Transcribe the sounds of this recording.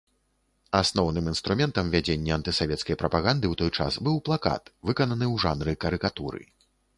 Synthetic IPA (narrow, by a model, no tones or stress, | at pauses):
asnɔwnɨmin̪st̪ɾumʲɛnt̪ɐmvʲad͡zʲenʲːɛɐnt̪ɨsavʲɛt̪skɐjpɾɐpaɣand̪ɨwt̪ɔjt͡ʂa̰sbɨwplˠaka̰t̪vɨkɐnɐnɨwʐanɾɨkɐɾɨkat̪uɾɨ̰